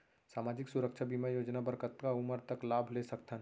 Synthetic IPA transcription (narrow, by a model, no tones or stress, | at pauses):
saːmaːd͡ʒɪksʊɾəkʃʰabimajoːd͡ʒnabəɾkət̪kaʊməɾt̪əklaːbʱlesɐk̚t̪ʰən